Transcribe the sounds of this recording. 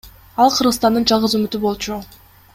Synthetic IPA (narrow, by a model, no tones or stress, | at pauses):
ɑlˠqʰɯɾʁɯst̪ɑnd̪ɯnd͡ʒɑlˠʁɯzymyt̪ybo̞lˠt͡ʃu